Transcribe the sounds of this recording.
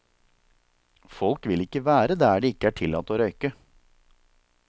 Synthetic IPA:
fɔlkʋɪlɪkəʋæːɾəd̪æːɖiːɪkəæːʈʰɪlɑːt̪oːɾœʏkə

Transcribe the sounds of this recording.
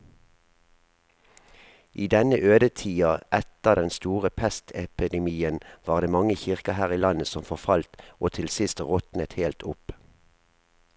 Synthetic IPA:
ʔiːd̪ɛnəʔøːd̪ət̪ʰiːɑʔɛt̪əʁd̪ɛnst̪uːʁəpʰɛst̪ʰɛpɪd̪ɛmiːənʋɑːʁd̪eːmɑŋəçɪʁkəhæːʁiːlɑnəsɔmfɔʁfɑlt̪ʔoːt̪ʰɪlsɪst̪ʁɔt̪nət̪heːlt̪ʰʊp

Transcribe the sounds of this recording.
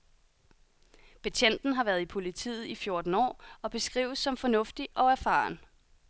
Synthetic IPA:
pʰæt͡ɕʰen̰d̥n̩ɦɑ̈ʋæːɐð̞̩ˠipʰo̝lit͡sʰḭːð̩ˠifjo̝ɐd̥n̩ɒ̰ːɒ̽b̥e̝sɡ̥ʁḭːʊð̩ˠsɒ̽mfɒ̽nɔ̽fd̥iʔɒ̽æɐfɑ̰̈ːn

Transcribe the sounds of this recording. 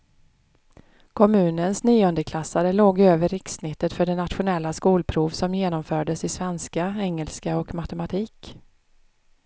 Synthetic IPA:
kʰɔmʉ̟ːnənsniːʊnd̪əkʰlasːaɾəloːɡøːvəɾɪksːnɪt̪ːət̪fœɖɛnat̪ɧʊnɛlːaskuːlpʰɾuːvsɔmjeːnɔmfœːɖəsɪsvɛnskaɛŋːəlskaɔkmat̪ɛmat̪ʰiːk

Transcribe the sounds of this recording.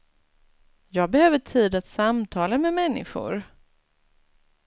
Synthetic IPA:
jɑːɡ̚bɛhøːvəʈʰiːd̪at̪samt̪ʰɑːlamɛmɛnːɪ̰ɧʊ̰ɾ

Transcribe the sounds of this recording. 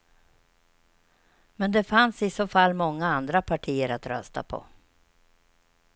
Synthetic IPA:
mɛnd̪ɛfansɪsoːfalːmɔŋːaand̪ɾapʰaʈʰiːəɾat̪ɾœ̰st̪a̰pʰɔ̰

